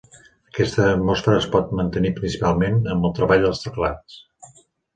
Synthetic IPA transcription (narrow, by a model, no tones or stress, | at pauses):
əkɛst̪əːt̪mɔsfəɾəːspɔt̪̚mənt̪ənipɾinsipalˠmenəmbəlˠt̪ɾəβaʎd̪əlˠst̪əklat͡s